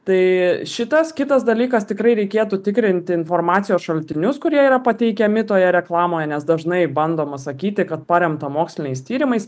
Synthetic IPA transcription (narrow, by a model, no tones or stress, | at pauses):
t̪ɐɪʃʲɪt̪ɐskʲɪt̪ɐsd̪ɐlʲiːkɐst̪ʲɪkɾɐɪɾʲɛɪkʲeːt̪ut̪ʲɪkɾʲɪnʲt̪ʲɪɪnfoːrmɑːt̪sʲɪjoːsʃɐlʲt̪ʲɪnʲʊskʊɾʲiɛiɾɐpɐt̪ʲɛɪkʲɛmʲɪt̪oːjɛɾʲɛklˠɑːmoːjɛnʲɛsd̪ɐʒnɐɪbɐnd̪oːmɐsɐkʲiːt̪ʲɪkɐt̪̚pɑɾʲɛmt̪ɐmoːksʲlʲɪnʲɛɪst̪ʲiːɾʲɪmɐɪs